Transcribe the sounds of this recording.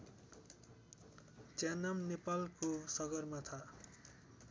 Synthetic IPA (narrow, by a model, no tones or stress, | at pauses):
t͡sjanamnepalkosʌɡʌrmat̪ʰa